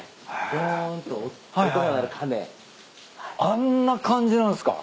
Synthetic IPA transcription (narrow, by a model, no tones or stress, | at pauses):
dont̪o | haɦ̪omanaɾɯ̟kʰamḛ̃ | anːakʰãɲ̟d͡ʑinãnsɨ̥ka̰